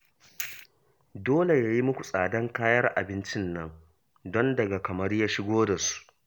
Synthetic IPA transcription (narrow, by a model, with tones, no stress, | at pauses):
doː˦le˨jaː˦ji˦mʊ˦kʷu˨sʼaː˨dɐ˦ŋkaː˦jɐ˦rʔa̰˨bɪ˦nt͡ʃɪ˦nːɐ˦ŋ | dɔ˦ndɐ˨ɡa˨kɐ˨mɐ˦rjaː˦ʃɪ˦ɡʷoː˦da˨su̥˦ʔ